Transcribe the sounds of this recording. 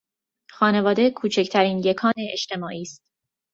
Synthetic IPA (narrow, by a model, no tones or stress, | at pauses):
xɒːne̞vɒːd̪e̞kʰuːt͡ʃʰe̞cʰt̪ʰæɾiːnjekʰɒːneeʃt̪ʰe̞mɒːʔiːst̪